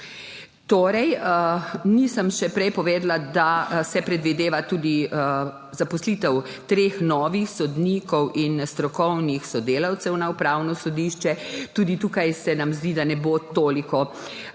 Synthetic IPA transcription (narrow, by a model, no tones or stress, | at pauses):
t̪oːɾɛj | nisəmʃɛpɾɛjpɔʋeːd̪lad̪asɛpɾɛd̪ʋid̪eːʋat̪uːd̪i | zapɔsliːt̪ɛw | t̪ɾeːxnɔːʋixsɔd̪nikɔwʔinst̪ɾɔkɔwnixsɔd̪eːlawt̪sɛwnaupɾaːwnɔsɔd̪iːʃt͡ʃɛt̪uːd̪it̪uːkajsɛnamzd̪iːd̪anɛbot̪oːlikɔ